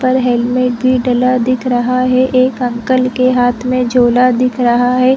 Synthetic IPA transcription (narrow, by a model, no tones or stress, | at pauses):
pɐɾɦɛlmẽːʈ̚bʱiɖəlad̪ɪkʰɾɐɦaɦɛʔeːkɐ̃ŋkəlkeɦaːt̪ʰmẽd͡ʒoːlad̪ɪkʰɾɐɦaɦɛː